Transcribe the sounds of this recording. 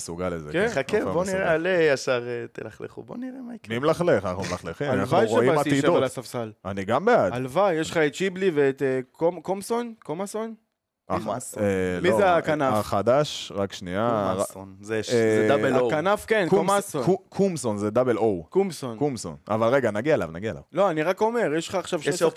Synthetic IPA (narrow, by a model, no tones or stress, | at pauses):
suɡalezekeχakevboniʁealejaʃaʁet̪ḛlaχlḛχṵboniʁemakmimlaχleχanaχnumlaχleχimalnaχvajʁʃoiamatit̪idʃeoalasafsalaniɡambeadalvajjeʃχaett͡ʃibliveet̪ekomkomsonkomason | a | lmozeakanavaχad̪aʃʁakʃnian | kanafkenkmsoukʰumsonzed̪abelowkumsonkumso̰na̰valʁe̞ɡanaɡiaela̰vnaɡiaela̰vlo̞aniʁako̞me̞ʁjeʃχaːχʃavʃ